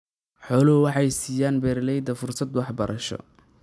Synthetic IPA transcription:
ħɔːlɔwɑħɑjsiːjaːnbɛːrlɛjd̪ɐfʊrsɐd̪wɑħbɐɾʔɐʃɔ̰

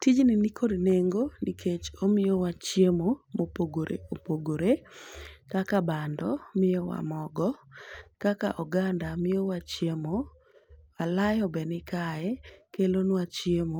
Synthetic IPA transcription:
tid͡ʒninikʰodneŋɡonikʰet͡ʃomɪjowat͡ʃjemomopoɡoɾḛopoɡoɾe | kakabandɔmɪjɔwa̰mɔɡɔkaka̰ʔɔɡandamɪjɔwat͡ʃjemo | alajɔbɛnɪkaɛkelonwat͡ʃjemo

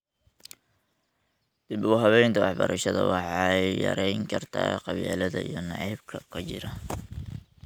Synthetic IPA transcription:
d̪̥ɪbʊɣʊɦɐβɛjnt̪ʰɐwɑħbɐɾɐʃɐðɐwɑħɑjjɐ̰ɾɛjŋkʰɐrt̪ʰa̰ːqɑβjɛːlɐðɐijɞnɑʕijb̚kʰɐkʰɐt͡ʃɪɾɐ

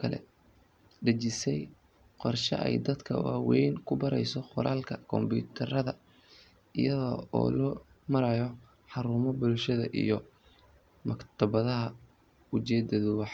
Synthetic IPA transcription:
kʰɐlɛ̰ | ɖɐt͡ʃɪsɛj | qɔrʃɐ̰ʔɛjd̪ɐd̪kʰɐ̰waːwɛjnkʰʊbɐɾɛjsɔχʊɾaːlkʰɐkʰɔmbuːt̪ʰɐrɐðɐ | ɪjɐðɔɔ̰ːlɔ | mɐɾɐjɔ | ħɑɾuːmɔbʊlʃɐðɐ̰ʔijɔ | mɐkt̪ʰɐβɐðɐɦɐ | ʊt͡ʃɛːd̪ɐðʊwɑħ

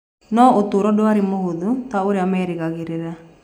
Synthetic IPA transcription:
nɔotoːɾɔdoaɾemohoðutaoɾeamɛːɾeɣaɣeɾeɾa

